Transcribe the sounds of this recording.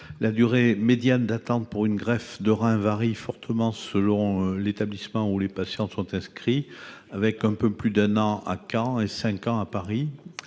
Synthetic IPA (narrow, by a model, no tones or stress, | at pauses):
lad̪yʁemed̪jand̪at̪ɑ̃t̪̚puʁynɡʁɛfd̪əʁɛ̃vaʁifɔʁt̪ʰəmɑ̃səlɔ̃let̪ablismɑ̃ulepasjɑ̃sɔ̃t̪ɛ̃skχiavɛkɛ̃pøplyd̪ɛ̃nɑ̃ʔa̰kɑ̃esɛ̃kɑ̃apaʁi